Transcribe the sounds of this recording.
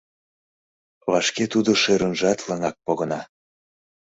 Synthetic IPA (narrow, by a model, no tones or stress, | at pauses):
βɑʃket̪ud̪oʃøɾənʒɑt̪ləŋɑk̚poɣənɑ